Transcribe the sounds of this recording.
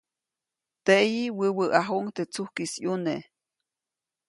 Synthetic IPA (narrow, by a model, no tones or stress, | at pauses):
t̪eʔjiwəwəʔʔaɦoŋt̪et͡suhkisjune